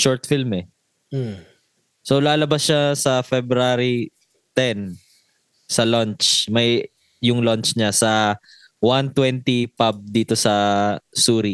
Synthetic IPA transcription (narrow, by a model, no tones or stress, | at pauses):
ʃoɹt̪filmɛ | solaːlɐbasʃasɐfɛbɾaɾi | t̪ɛn | sɐlɔnt͡ʃmɐj | jʊŋlont͡ʃɲasɐ | want̪wɛnt̪ipab̚d̪iːt̪o̞sɐsuːɾi